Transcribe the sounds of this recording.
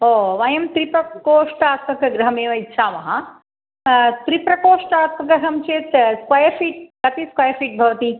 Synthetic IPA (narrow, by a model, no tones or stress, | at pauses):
oːʋɐjɐmt̪ɾipɾɐkoːʂʈaːt̪mɐkɐɡɾɐɦɐmeːʋɐit̪ːʃʰaːmɐɦɐ | t̪ɾipɾɐkoːʂʈaːt̪mɐɡɾɐɦɐmt͡ʃeːt̪skwɐjɐɾfiːʈ̚kɐt̪iskɐjɐɾfiːʈ̚bʱɐʋɐt̪i